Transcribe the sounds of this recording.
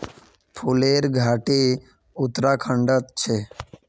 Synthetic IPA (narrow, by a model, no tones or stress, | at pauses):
pʰuleːɾɡʱaːʈe | ʊt̪ɾaːkʰəɳɖət̪t͡ʃʰeː